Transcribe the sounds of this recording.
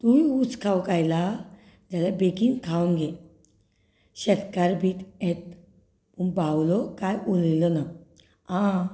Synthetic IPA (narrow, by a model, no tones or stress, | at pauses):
t̪uiut͡skʰawkajla | d͡ʑalabekiŋɡkʰawnɡe | ɕɛt̪kaɾbʱiːt̪et̪̚ | pəɳbawlɔkajʔuliləna | ã